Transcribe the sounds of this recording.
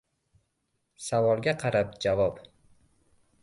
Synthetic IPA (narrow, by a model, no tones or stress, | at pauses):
savɒlˠɡʲaqʰɑɾap̚d͡ʒavɒp